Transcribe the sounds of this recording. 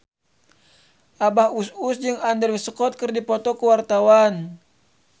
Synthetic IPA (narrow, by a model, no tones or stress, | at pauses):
ʔabahususd͡ʒɨŋandərwisəkɔt̪̚kərdipɔt̪ɔkəwart̪awan